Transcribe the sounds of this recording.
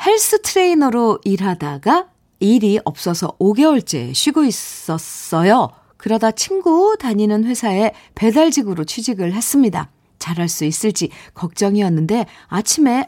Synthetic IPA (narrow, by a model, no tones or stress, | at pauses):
he̞ɭs͈ɯtʰɯɾe̞inʌɾoiɾɦadaɡa | iɾiʔʌp̚s͈ʌsʰʌ̰oɡe̞wʌɭt͡ɕ͈e̞̰ɕʰɥiɡois͈ʌs͈ʌjo | kɯɾʌdat͡ɕʰinɡutaɲinɯnɸwe̞sʰae̞ | pe̞daɭd͡ʑiɡɯɾot͡ɕʰid͡ʑiɡɯɭɦe̞s͈ɯmɲida̰ | t͡ɕaɾɦaɭs͈uis͈ɯɭt͡ɕ͈ikʌk̚t͡ɕ͈ʌŋiʌnːɯnde̞ | at͡ɕʰime̞